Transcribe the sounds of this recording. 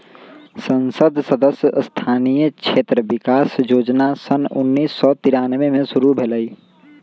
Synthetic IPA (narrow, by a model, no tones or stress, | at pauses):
sə̃nsəd̪ʱsəd̪əsjəst̪ʰaːnijəkʃʰeːt̪ɾəbɪkaːsjoːd͡ʒnasənʊnːiːsːɔt̪ɪɾaːnʋemẽʃʊɾubʱeləiː